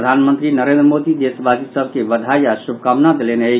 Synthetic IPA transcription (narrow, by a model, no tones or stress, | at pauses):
d̪ʱanmənt̪ɾinəɾẽnd̪ɾəmod̪id̪esbʱaɡisəbʱkebəd̪ʱajasub̚kamnat̪leneə